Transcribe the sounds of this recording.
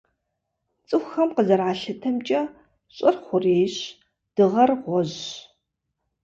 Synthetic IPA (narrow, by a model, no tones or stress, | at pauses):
t͡sʼɨxxɐmqəzɐraːɬɨtʰɐmt͡ʃʼɐ | ɕʼɐrχʷʊreːɕ | d̥ɨʁɐrʁʷɔʑ